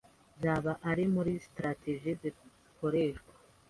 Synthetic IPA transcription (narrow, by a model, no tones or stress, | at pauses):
zaβaʔaɾimuɾistɾateʒizi | ko̞ɾeːʃɡwḁ